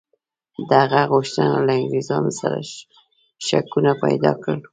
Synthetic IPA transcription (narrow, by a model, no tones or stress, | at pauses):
d̪əaɣaɣʊʃt̪ənalaŋɡɾizɑnosaɾa̰ | ʃakunapa̰jd̪ɑkəl